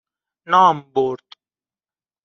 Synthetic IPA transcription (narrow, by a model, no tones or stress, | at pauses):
naːmboːɾt̪